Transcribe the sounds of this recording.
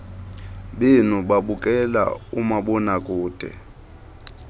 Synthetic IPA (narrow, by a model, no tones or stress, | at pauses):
ɓenuɓaɓukʼɛla̰umaɓɔnakʼuːd̥ʱɛ̰